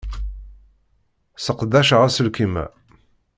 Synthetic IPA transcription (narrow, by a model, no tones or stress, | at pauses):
səqd̪æʃʁæsəlkimæ̰